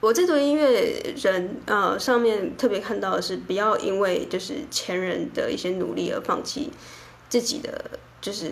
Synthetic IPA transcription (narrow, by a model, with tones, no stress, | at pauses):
wɔ˨˩t͡se˥˩ɪt̪u˧˥i˥nwe˥˩ɪɻə˧˦˥nə˧ʂɑ˥˧ŋmjɛ˥˧nt̪ʰɤ˥˩pjɛ˧˥kʰa˥˧nt̪ɑ˥˩ʊd̪ə˩ʂɻ̩˥˩pu˨˩jɑ˥˩ʊʔi˧˥nwe˥˧ɪt͡ɕjo˥˧ʊʂɻ̩˥˩t͡ɕʰjɛ˧˥nɻə˧˥nd̪ə˧ḭ˥˩ɕjɛ˥nṵ˨˩li˥˩ə̰˞˧˥fɑ̰˥˧ŋt͡ɕʰḭ˥˩ | t͡sɹ̩˥˩t͡ɕḭ˨˩d̪ə̰˦ | t͡ɕjo˥˧ʊʂɻ̩˥˩